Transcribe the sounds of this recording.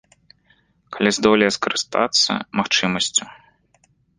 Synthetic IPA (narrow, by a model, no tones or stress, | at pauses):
kalʲizd̪ɔlʲɪjɛskɐɾɨst̪a̰t̪sːɐ̰maxt͡ʂɨmɐsʲt͡sʲu̥